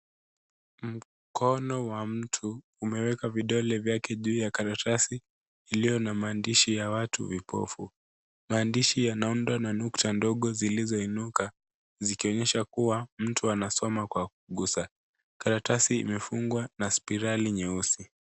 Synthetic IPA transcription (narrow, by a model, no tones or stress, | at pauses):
m̩ | kʰɔnɔwam̩tʰuː | mɛwɛkaviɗɔlɛvjakɛʄuːjakaɾatʰasiː | lijɔnamaːndiʃijawatṵvipɔ̰fu | maːndiʃijanaundwananuktandɔɠɔzilizɔinuka | zikiɔɲɛʃakuwam̩tuanasɔmakwak̚uɠusa | kaɾatasḭːmɛfuŋɡwanaspiɾaliɲɛusi